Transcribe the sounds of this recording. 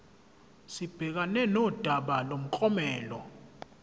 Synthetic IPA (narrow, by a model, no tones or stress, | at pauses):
sib̥ʱɛk̬anɛnɔd̥ʱaɓalom̩kʼɔmɛːlɔ̰